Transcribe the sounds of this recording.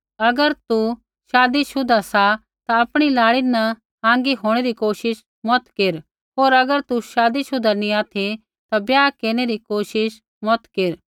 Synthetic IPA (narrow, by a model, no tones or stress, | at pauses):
ɐɡəɾt̪u | ʃaːd̪iʃʊd̪ʱasa | t̪aɐpɽ̃ilaːɭinɐ | ãːŋɡiɦoːɽ̃eɾikoːʃɪʃ | mɔt̪keɾ | ɦoːɾɐɡəɾt̪uʃaːd̪isʊd̪ʱanĩaːt̪ʰi | t̪abjaːkeːɽ̃eɾikoːʃɪʃ | mɔt̪keɾ